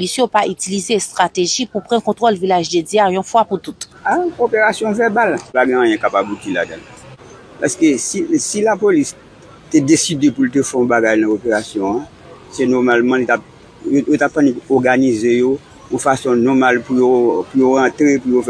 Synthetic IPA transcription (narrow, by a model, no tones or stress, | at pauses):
lisopaʔyt̪ilizest̪ʁat̪eʒipupʁɑ̃kɔ̃t̪ʁolvilaʒd̪ediaɔ̃fwaput̪ut̪aopeʁasjɔ̃vɛbalpaɡɛ̃ãjɛ̃kapabut̪ila̰d̪ãl | pa̰skesisilapolis | t̪ɛd̪esid̪epult̪̬efɛɔ̃baɡajnãopeʁasjɔ̃ã | sɛnɔʁmalmãlit̪ap̚ | jojot̪ap̚ːãnipuɔʁɡanizejo | ɔ̃fasɔ̃nɔmalpujopujoʁãt̪ɾepujof